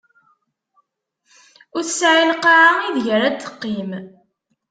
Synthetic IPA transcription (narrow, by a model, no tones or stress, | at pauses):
ʊɾsʕilqːaʕaiðʝəɾæt̪ːə̥qːim